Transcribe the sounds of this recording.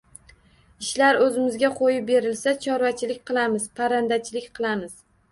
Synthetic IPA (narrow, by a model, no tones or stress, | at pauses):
ɪʃlaɾɵzɪmɪzɡʲaqʰojɪp̚be̞ɾɪlsat͡ʃʰɒɾvat͡ʃʰɪlɪkʲqʰɨlˠamɪzpʰaɾand̪at͡ʃʰɪlɪkʲqʰɨlˠamɪz̥